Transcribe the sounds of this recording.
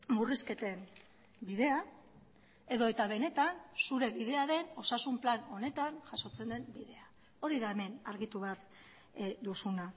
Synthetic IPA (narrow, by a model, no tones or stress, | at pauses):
muriske̞t̪e̞m | biðe̞a | e̞ðo̞e̞t̪aβ̞e̞ne̞t̪ansuɾe̞βiðe̞aɾe̞no̞sasumplano̞ne̞t̪anʝaso̞t͡se̞nd̪e̞mbiðe̞a | o̞ɾiðaeme̞naɾɣit̪uβeaɾ | d̪usuna